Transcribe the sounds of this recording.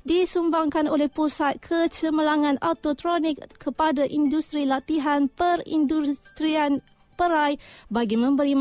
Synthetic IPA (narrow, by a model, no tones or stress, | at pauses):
disumbaŋkanolɛhpusat̪̚kʰət͡ʃəməlaŋãnat̪ot̪ɾonikkʰːəpadaʔindust̪ɾilat̪iɦanpəɾḭndust̪ɾian | pəɾajbaɡimə̃mbəɾim